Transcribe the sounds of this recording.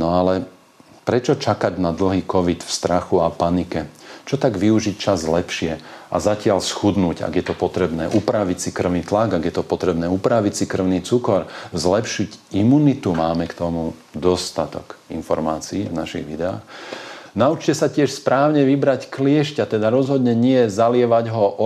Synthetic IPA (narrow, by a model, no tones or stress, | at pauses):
nɔalɛ | pɾɛt͡ʃɔt͡ʃakaɟnad̪l̩ɦiːkɔʋit̪fst̪ɾaxuapanikɛt͡ʃɔt̪aɡʋiuʒic̚t͡ʃazlɛpʃɪɛʔa̰zacɪaʎsxud̪nuːɟa̰ɡjɛt̪ɔpɔt̪ɾɛbnɛ̰ːʔupɾaʋicsikr̩ʊniːt̪laɡaɡjɛt̪ɔpɔt̪ɾɛbnɛːupɾaʋicsikr̩ʊniːt͡sukɔɾzlɛpʃiɟimunit̪umaːmɛkt̪ɔmud̪ɔst̪at̪ɔ̰kḭnfɔɾmaːt͡siːvnaʃḭɣʋid̪ɛa̰ːxnaut͡ʃcɛsacɪɛʃspɾaːʊɲɛʋibɾacklɪɛʃcat̪ɛd̪aɾɔzɦɔd̪ɲɛɲɪɛzalɪɛʋaɟɦɔʔɔ